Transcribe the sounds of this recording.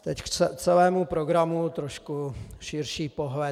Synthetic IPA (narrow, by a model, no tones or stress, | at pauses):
t̪ɛckɛt͡sɛlɛːmupɾoɡɾamut̪ɾoʃkuʃɪɾʃiːpoɦlɛ